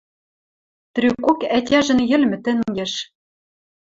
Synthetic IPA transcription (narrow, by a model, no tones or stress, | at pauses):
t̪rykokætʲæʒɘ̆njɘ̆lmɘ̆t̪ɘ̆ŋɡĕʃ